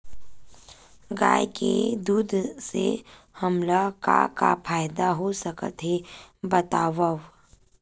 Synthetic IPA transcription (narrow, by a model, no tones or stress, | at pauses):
ɡa̰ːjkḛd̪uːd̪ʱsḛ | həmlaka̰ka̰pʰaːjd̪aɦosəkə̰t̪ɦebət̪aːʋəʋ